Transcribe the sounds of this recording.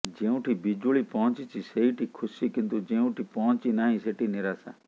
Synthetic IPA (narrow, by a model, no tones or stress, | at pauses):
d͡ʒẽːũːʈʰiːbid͡ʒuɭiːpɔɔ̃nt͡ʃiːt͡ʃʰiːseiːʈʰiːkʰʊsiːkɪnt̪ud͡ʒẽːũːʈʰiːpɔ̃nt͡ʃiːnaːɦĩːseʈiːnɪɾaːsa̰ː